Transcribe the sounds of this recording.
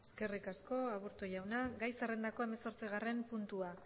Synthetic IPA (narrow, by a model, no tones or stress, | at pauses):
e̞ske̞rikasko̞aβuɾt̪ojawnaɡajsarend̪ako̞e̞meso̞ɾt͡siɣ̞are̞mpunt̪ua